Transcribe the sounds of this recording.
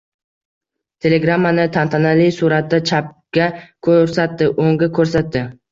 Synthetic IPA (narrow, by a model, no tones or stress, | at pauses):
t̪ʰe̞le̞ɡɾamːanɪt̪ʰant̪ʰanalijsuɾat̪̚d̪at͡ʃʰap̚kʲakʰoɾsat̪ːɪʔoŋɡʲakʰɵɾsat̪d̪ɪ